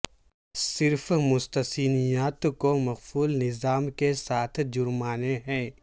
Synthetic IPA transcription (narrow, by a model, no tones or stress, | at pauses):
sɪɾfmʊst̪əsiːnijaːt̪komɐɣfuːlnɪzaːmkesaːt̪ʰd͡ʒʊɾmaːneɦɛ̃ː